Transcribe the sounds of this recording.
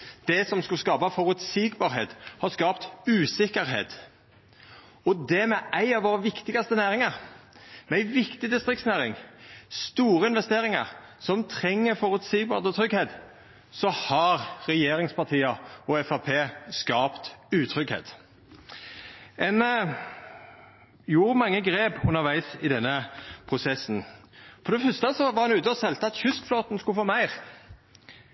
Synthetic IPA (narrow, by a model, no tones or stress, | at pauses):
d̪̥ɛsɔmskʉlskɑːpɑfɔɾʉt̪siːɡbɑːɾheːt̪hɑɾskɑːpt̪ʉːsɪkːəɾɦḛːt̪ | ɔd̪ɛmɛʔæɪɑʋoːɾəʋɪkt̪ɪɡɑst̪ənæːɾɪŋəɾmɛæɪʋɪkt̪ɪd̪ɪst̪ɾɪkt̪snæːɾɪŋst̪uːɾəɪnʋɛst̪eːɾɪŋə̰ɾ | sɔmt̪ʰɾɛŋːəfɔɾʉt̪siːɡ̚bɑ̰ːd̪ət̪ʰɾʏɡheːt̪ | sɔhɑʁɾɛjeːɾɪŋspɑʁt̪ʰiːəɔɛfɑpʰeːskɑːpt̪ʉːt̪ʰɾʏɡhḛːt̪ | ʔɛn | juːɾmɑŋːəɡɾeːpʉnːəʋæɪsɪd̪ɛnːəpʰʁʊsɛsn̩fɔd̪ɛfœst̪əsɔʋɑʁhɑnʉːt̪əɔsɛlt̪əɑt̪çʉskfloːt̪nskʉfoːmæɪʁ